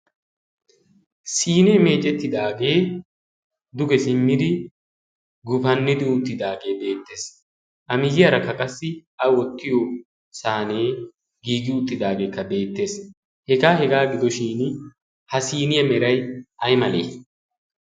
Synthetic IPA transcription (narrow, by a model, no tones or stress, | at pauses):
siːneːme̞ːt͡ʃʼɛt̪ːɪd̪aːɡe̞ː | d̪ʊɡɛsɪmːɪd̪ɪ | ɡʊfɐnːɪd̪ɪʊt̪ːɪd̪aːɡe̞ːbe̞ːt̪ːe̞ːs | ʔɐmɪjɪjɐɾɐkːɐkʼɐsːɪɐwɔt̪ːɪjɔ | saːne̞ː | ɡiːɡɪʊt̪ːɪd̪aːɡe̞ːkːɐbe̞ːt̪ːe̞ːs | hɛɡaːhɛɡaːɡɪd̪ɔʃiːn | hɐsiːnɪjɐmɛɾɐjɐjmɐlḛː